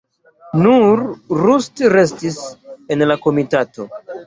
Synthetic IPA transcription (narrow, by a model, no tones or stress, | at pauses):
nuɾɾustɾe̞stise̞nlako̞mitato̞